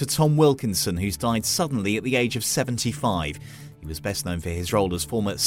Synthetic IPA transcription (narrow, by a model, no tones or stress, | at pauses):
ətʰɒ̃mwɪlˠkɪ̃nsə̃nɦʉzdaɪd̥sʌdⁿn̩liɨʔðieɪd͡ʒəv̥sɛṽntʰifaɪv̥ | hiwɒzbɛsnə̃ʊ̃nfəɪzɹoʊlˠəz̥fɔːməs